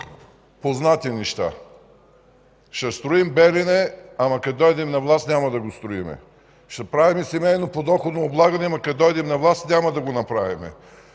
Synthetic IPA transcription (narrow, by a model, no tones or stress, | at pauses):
poznat̪inɛʃt̪a̰ | ʃɛst̪ɾoimbɛlinɛamɐkɐd̪ɔjd̪ɛmnɐvlˠast̪nʲamɐd̪ɐɡost̪ɾoimɛ̰ | ʃt̪ɛpɾavimɛsimɛjnopod̪ɔxod̪noʊblˠaɡɐnɛmɐkɐd̪ɔjd̪ɛmnɐvlˠast̪nʲamɐd̪ɐɡonɐpɾavimɛ̰